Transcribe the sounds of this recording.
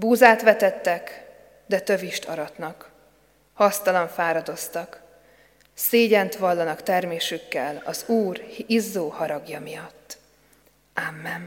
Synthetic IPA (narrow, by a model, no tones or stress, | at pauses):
buːzaːt̪ʋɛt̪ɛt̪ːɛk | d̪ɛt̪ø̞viʃt̪ʰɒɾɒt̪nɒk | hɒst̪ɒlɒɱfaːɾɒd̪o̞st̪ɒk | seːɟɛnt̪ʋɒlːɒnɒkt̪ɛrmeːʃykːɛlɒ̰zuːrhizːoːhɒɾɒɡjɒmijɒt̪ː | ʔamːɛn